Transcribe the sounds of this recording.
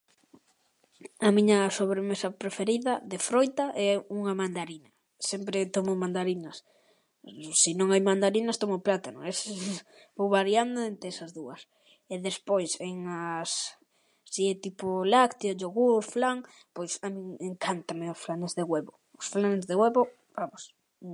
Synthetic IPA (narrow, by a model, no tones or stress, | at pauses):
amiɲɐsoβɾemesɐpɾefeɾiðɐðefɾojt̪aʔɛuŋamand̪aɾinɐ | sempɾeɪt̪omʊmand̪aɾinɐs | sinõŋajmand̪aɾinast̪omoplat̪ano̰ŋɛs | bowβaɾjand̪ʊent̪ɾeɛsɐzðuɐs | eðespojseŋas | siɛt̪ipolakt̪ioʎoɣuɾflaŋ | pojsamĩŋeŋkant̪amɪʊsflanezðeɣweβo | ʊsflanzðeɣwɛβo | b̥amʊs